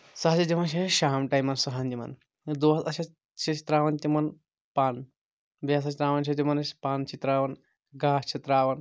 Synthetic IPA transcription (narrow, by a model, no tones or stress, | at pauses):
sɐɦɐt͡ʃɐt̪imɐnʃɐʃaːmʈɐjmɐnsɐɦɐnt̪imɐ̰n | d̪oːɐt̪ɐʃʰɐ | t͡ʃʰɐt͡ʃit̪ɾaːʋɐnt̪imɐn | paːn | baːs̬ɐt͡ʃit̪ɾaːʋɐnʃ̬ʰiɐt̪imɐnɐspaːnt͡ʃit̪ɾaːʋɐn | ɡaːt͡ʃʰɐt̪ɾaːʋɐn